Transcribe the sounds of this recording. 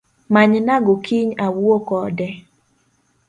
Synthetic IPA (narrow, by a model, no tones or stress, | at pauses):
maɲnaɡokʰiɲawwokɔdɛ